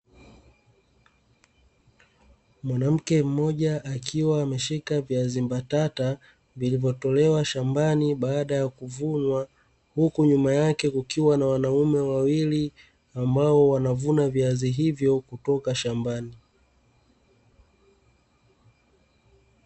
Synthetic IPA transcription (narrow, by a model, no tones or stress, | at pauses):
mwanam̩kɛm̩mɔʄaʔːkʰiwaːmɛʃikaviazimbatata | vilivjɔtɔlɛwaʃambaniɓaːɗajakuvunwa | hukuɲumajakɛkukiwanawanaumɛwawili | ambaɔwanavunaviaziɦivjɔkutɔkaʃambani